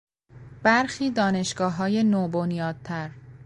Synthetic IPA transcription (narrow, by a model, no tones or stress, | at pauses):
b̥æɾxiːd̪ɒːne̞ʃɡ̥ɒːɦɒːjenoːbonijɒːd̪̚t̪ʰæɾ